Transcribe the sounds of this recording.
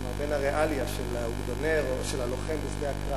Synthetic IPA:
maʁbenhaʁeʔaljaʃelauɡd̪oneʁoʃelaloχembifdeakʁa

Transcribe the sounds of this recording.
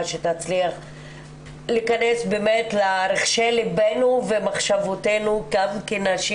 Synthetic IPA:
ʃetat͡sliaχ | likanesbemetlaɾeχʃelibenuvemaχʃavotenukavkenaʃi

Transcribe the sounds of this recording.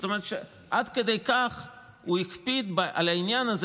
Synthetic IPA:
t̪omeʁet̪ʃe | ʔad̪ked̪ejkaχ | uikpid̪baʔa̰lainjanɐz

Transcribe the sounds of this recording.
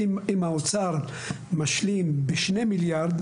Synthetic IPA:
imhaot͡saʁ | maʃlimbeʃnemiljaɾd̪

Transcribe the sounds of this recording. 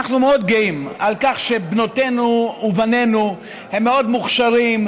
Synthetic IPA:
aχnumeo̞d̪̚ɡoimalkaχʃe̞bnot̪e̞nuːvane̞nu | hemːeo̞d̪muχʃaʁim

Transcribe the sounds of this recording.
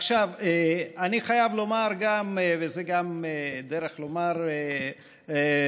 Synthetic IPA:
aχʃaveaniχajavlo̞maʁɡamevezeɡamed̪eɾeχlo̞maʁe | e

